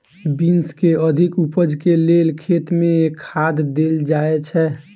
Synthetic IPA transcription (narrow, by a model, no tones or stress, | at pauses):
binskeəd̪ʱɪkupəd͡ʒkeleːlkʰeːt̪mẽkʰːaːd̪d̪eːld͡ʒaːet͡ʃʰɛ